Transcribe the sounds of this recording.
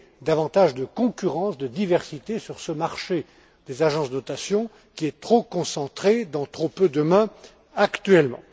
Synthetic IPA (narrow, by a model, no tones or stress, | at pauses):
d̪avɑ̃t̪aʒd̪əkɔ̃kʲyʁɑ̃sd̪əd̪ivɛʁsit̪esyʁsəmaʁʃe | d̪ezaʒɑ̃sd̪ɔt̪asjɔ̃ | kʲiɛt̪χokɔ̃sɑ̃t̪χed̪ɑ̃t̪χopød̪əmɛ̃ | akt̪ɥɛlmɑ̰̃